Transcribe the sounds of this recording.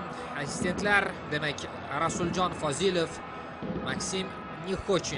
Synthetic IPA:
asɪ̥st̪ʰe̞nt̪laɾd̪e̞makʲ | ɾasʊld͡ʒɒnfɒzilof | maksim | nʲikot͡ʃi

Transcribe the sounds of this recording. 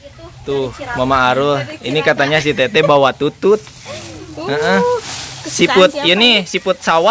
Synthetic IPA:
t̪uhmamaːɾulinikat̪aɲas̬it̪et̪ɛbawat̪ut̪ut̪̚ | əʔə | sipʊt̪̚jənisipʊt̪̚sawa

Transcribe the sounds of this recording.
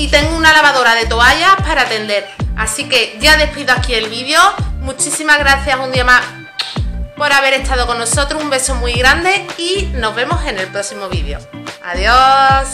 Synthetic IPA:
it̪e̞ŋɡounalaβaðo̞ɾaðe̞t̪o̞aʎapaɾaːt̪e̞nd̪e̞ɾasike̞ʝaðe̞hpiðoakie̞lβiðjomut͡ʃisimaɦɣɾaθjasũnd̪iamas | po̞ɾaβ̞e̞ɾe̞ht̪aðoko̞nːoso̞t̪ɾohumbe̞so̞mwuiɣɾand̪e̞ino̞ɦβe̞mose̞ne̞lpɾo̞simo̞βiðjo̞̰a̰ðjos

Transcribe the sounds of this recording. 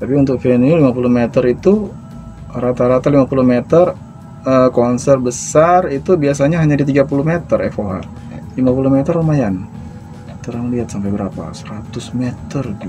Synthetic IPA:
t̪apiunt̪ʊk̚filaniulimapuluhmet̪əɾit̪u | ɾat̪aɾat̪alimapuluhmet̪ər | əkɔnsərbəsarit̪ubiasaɲaɦaɲadit̪iɡapuluhmet̪ərɛfoɦa̰ | limapuluhmet̪əromajan | t̪əɾaŋliɦat̪̚sampajbəɾapa̰səɾat̪ʊsmet̪ərd͡ʒu

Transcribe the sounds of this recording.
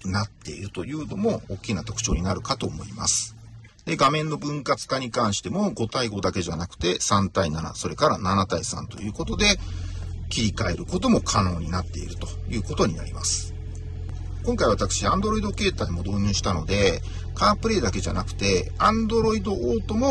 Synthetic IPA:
nat̪ːe̞̰iɾɯ̟t̪o̞jɯ̟ːno̞mo̞ːkʲːinat̪o̞kɯ̟̥t͡ɕo̞̰ːɲ̟inaɾɯ̟kat̪o̞ːmo̞̰ima̰sɨ̥ | d̪̥e̞ɡamẽ̞nːo̞bɯ̟̃ŋkat͡sɨ̥kaɲ̟ikãɰ̃ɕi̥t̪e̞mo̞ɡo̞t̪aiɡo̞d̪ake̞ʑanakɯ̟̥t̪e̞sãnt̪ainana̰so̞ɾe̞kaɾananat̪aisã̰nt̪o̞̰jɯ̟ːko̞t̪o̞d̪e̞ | kʲiɾʲikae̞ɾɯ̟ko̞t̪o̞mo̞kʰano̞ːɲ̟inat̪ːe̞ḭɾɯ̟t̪o̞̥jɯ̟ːko̞t̪o̞ɲ̟ina̰ɾʲima̰sɨ̥ | kõ̞ŋkaiβat̪akɯ̟̥ɕiãnd̪o̞ɾo̞id̪o̞ke̞ːt̪aimo̞d̪o̞ːɲ̟ɨːɕi̥t̪ano̞d̪e̞ | kaːpɯ̟ɾe̞ːd̪ake̞ʑa̰nakɯ̟̥t̪e̞ãnd̪o̞ɾo̞id̪o̞ʔoːt̪o̞mo̞

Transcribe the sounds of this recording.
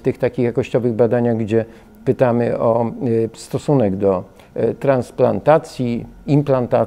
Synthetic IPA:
t̪ɘxt̪akʲixjakɔɕt͡ɕɔvɘɣbad̪aɲaɣɡd͡ʑɛ | pɘt̪amɘʔɔst̪ɔsunɛɡd̪ɔ | t̪ɾansplant̪at̪sʲjiimplant̪a

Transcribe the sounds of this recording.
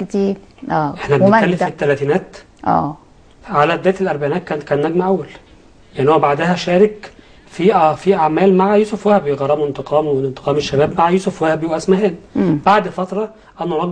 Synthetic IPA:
kt̪iːɾ | ʔʔeħnæbenekælːefit̪ːælæt̪iːnæːt̪ | ʔæ̰ː | ʕalæd̪ːæːt̪elʔæɾˤbaʕinæːt̪̚kæːnt̪kæːnnːæɡmæʔæwːæl | leʔnːhowæbaʕd̪æɦæʃæːɾek | fiʔæfiʔaʕmæːlmaʕajuːsofwæhæbjeɣɑɾˤːɑmuent̪eqʰɑːmwent̪e̥qʰɑːmeʃːæbæːbmaʕajuːsʊfwæhæbjeʔæʔæsmæhæːnb̥aʕd̪fɑt̪ɾˤɑ | ʔænːoɾˤɑɡ

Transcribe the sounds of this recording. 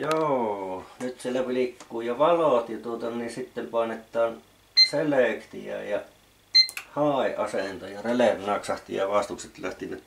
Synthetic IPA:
joːnyt̪sielːæpilikːuːjoʋɑloˑt̪jɑt̪uot̪ɑninsit̪ːempɑˑenet̪ːˑɑːn | seleˑkt̪ḭæ̰ˑjɑ | hɑˑiʔɑ̰sent̪ojɑrelernɑksɑht̪ḭjjɑʋɑst̪ukset̪læht̪inæ

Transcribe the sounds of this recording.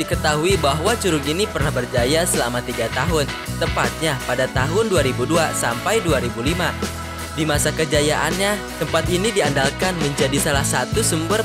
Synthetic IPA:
dikət̪aɦuibaɦwat͡ʃuɾʊkinipərnahbərd͡ʒajasəlamat̪iɡat̪aɦʊn | t̪əmpat̪̚ɲapadat̪aɦʊnduaɾibuduasampajduaɾibulima | dimasakəd͡ʒajaʔanɲat̪əmpat̪inidiandalkanməɲd͡ʒadisalahsat̪usumbər

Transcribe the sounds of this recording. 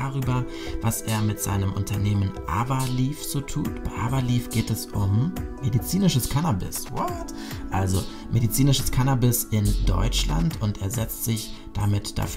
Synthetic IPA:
aʁyːbɐ | vasʔeːɐmɪtz̥a̰ɪnəmʔʊntʰɐneːmənʔa̰vɐliːfz̥oːtʰṵːtb̥aɪʔavaliːfɡ̥eːtɛsʔʊmmedit͡siːnɪʃəskʰanabɪ̰swɔt | ʔalzo | mʔedit͡siːnɪʃəskʰanabɪsɪndɔ̰ʏt͡ʃla̰ntʊntʔeːɐzɛt͡stz̥ɪç | d̥amɪtd̥a̰f

